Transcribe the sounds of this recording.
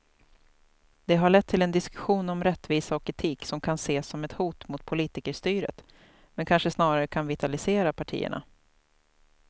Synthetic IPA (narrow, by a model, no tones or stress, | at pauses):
d̪̥ɛɦaɭɛt̪ʰːɪlɛnd̪ɪskɵɧuːnɔmɾɛt̪ːviːsaɔkʰɾɪt̪ʰiːksɔmkʰanseːsɔmɛt̪huːt̪mʊt̪̚pʰʊliːt̪ɪkəʂt̪yːɾə̰t̪ | mɛnkʰanʂəsnɑːɾaɾəkʰanvɪt̪alɪseːɾapʰaʈʰḭːə̰ɳa̰